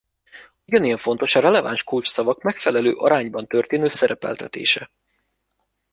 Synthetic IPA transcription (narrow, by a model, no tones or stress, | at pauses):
uɟɒnijɛɱfo̞nt̪o̞ʃɒɾɛlɛva̰nʃkult͡ʃsɒvɒkmɛkfɛlɛlø̰ːʔɒ̰ɾaːɲbɒnt̪ø̞rt̪eːnøːsɛɾɛpɛ̰lt̪ʰɛt̪ḛːʃɛ